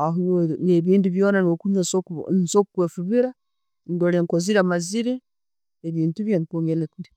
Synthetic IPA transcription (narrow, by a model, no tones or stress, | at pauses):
aɦunoneβiːnduβjonanokuɲasknsokukwefuβiɾa | ndoleŋkoziɾamaziɾe | eβiːntuβjanikoŋɡelekuli